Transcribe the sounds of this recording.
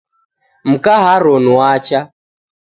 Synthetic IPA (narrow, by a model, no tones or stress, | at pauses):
m̩kaɦaɾɔnuwat͡ʃa